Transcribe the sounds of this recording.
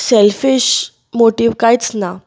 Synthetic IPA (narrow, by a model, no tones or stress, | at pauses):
sɛlfiɕ | moʈiːʋkajt͡sna